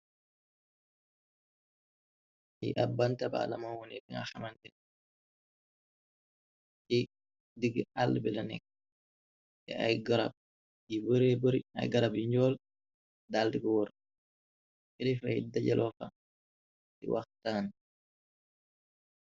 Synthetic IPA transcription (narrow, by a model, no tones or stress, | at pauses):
jḭʔabːantaba̰lamawɔnɛdiŋa̰xamantɛ | i | diɡalːbɛlanɛ̰k̚ː | ɛ̰ajɡaɾa̰b̚ | jibəɾɛbəɾia̰jɡaɾabjiɲd͡ʒɔːl | daldiɡwɔɾ | fidifaḭdaɟalʔɔfa | dḭwa̰xtaːn